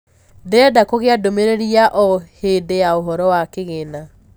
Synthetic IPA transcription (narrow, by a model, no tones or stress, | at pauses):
deadakoɣeadomeɾeɾiaʔɔheːdejaoɦɔɾɔwakeɣena